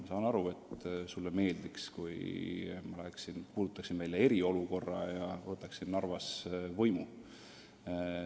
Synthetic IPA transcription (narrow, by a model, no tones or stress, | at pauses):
mɑsɑːnɑɾue̞t̪sulːeme̞ːld̪̥ikskujmɑlæeksinpuːd̪̥ut̪ːˑɑksinvæljɑe̞ɾio̞luko̞rːɑjɑvɤt̪ːˑɑksinːɑrvɑsvɤjmu